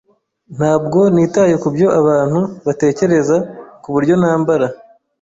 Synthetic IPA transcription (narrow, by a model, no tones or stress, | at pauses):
n̥haːbɡo̞niːtajekubjo̞ʔaβaːn̥huβate̞ːce̞ɾe̞zakuβuɾɟo̞naːmbaɾa